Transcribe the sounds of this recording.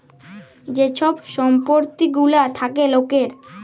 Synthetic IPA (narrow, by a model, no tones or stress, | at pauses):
d͡ʑeʃʰɔbʃɔmpoɾt̪iɡulat̪ʰakelokeɾ